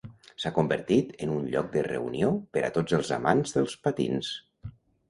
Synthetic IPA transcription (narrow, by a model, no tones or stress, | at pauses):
sakumbəɾt̪it̪ənunʎɔk̚d̪ərə̰uniopəɾʔa̰t̪od͡zəlˠzamanzðəlˠspat̪ḭns